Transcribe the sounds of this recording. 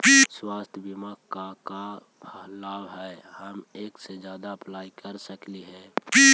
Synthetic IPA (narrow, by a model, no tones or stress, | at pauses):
piswaːst̪ʰjəbimakkaka | bʰʱəlaːbɦɛhəmeːksed͡ʒjaːd̪aəplaːikəɾsəkliɦɛ̃piː